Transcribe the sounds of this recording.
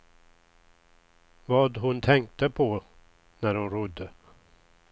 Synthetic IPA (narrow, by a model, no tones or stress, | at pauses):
vɑːd̪ɦʊnt̪ʰɛŋk̚t̪əpʰɔ | næɾhʊnɾʊd̪ːə